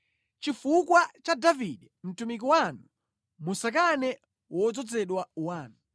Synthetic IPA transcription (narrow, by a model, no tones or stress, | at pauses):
t͡ʃifukwat͡ʃadaviɗɛm̩tumik̬iwanu | musak̬anɛ | wɔd͡zɔd͡zɛɗwawaːnu